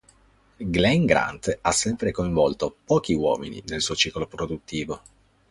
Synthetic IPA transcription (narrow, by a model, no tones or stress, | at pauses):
ɡlɛŋɡɾa̰nt̪asːɛmpɾekoiɱvɔlt̪opɔːk̟iwɔ̰ːmḭnḭnelsuːot͡ʃiːklopɾod̪ut̪ːiːvo